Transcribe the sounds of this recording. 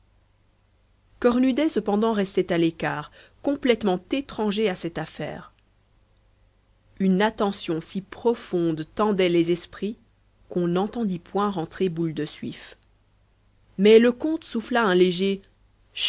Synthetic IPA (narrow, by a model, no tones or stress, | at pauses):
kɔʁnyd̪ɛsəpɑ̃d̪ɑ̃ʁɛst̪ɛt̪alekaːʁkɔ̃plɛt̪mɑ̃t̪et̪χɑ̃ʒeasɛt̪afɛ̰ːʁ | ynat̪ɑ̃sjɔ̃sipχɔfɔ̃d̪t̪ɑ̃d̪ɛlɛzɛspχi | kɔ̃nɑ̃t̪ɑ̃d̪ipwɛ̃ʁɑ̃t̪χebuld̪əsɥḭf | mɛləkɔ̃t̪suflaɛ̃leʒe